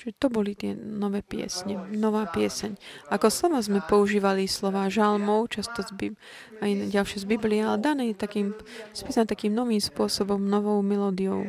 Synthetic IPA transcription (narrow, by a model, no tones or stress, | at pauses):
ʒ̥ɛt̪ɔbɔlit̪ɪɛ̰nɔʋɛːpɪɛ̰sɲɛnɔʋaːpɪɛsɛɲʔakɔslɔʋaːzmɛpɔuʒiːʋalislɔʋaːʒalmɔʊt͡ʃast̪ɔzbi | ajɟalʃɛzbibliɛalɛd̪anɛːjɛt̪akiːmspiːsanat̪akiːmnɔʋiːmspʊɔsɔbɔmnɔʋɔʊmɛlɔːd̪ijɔʊ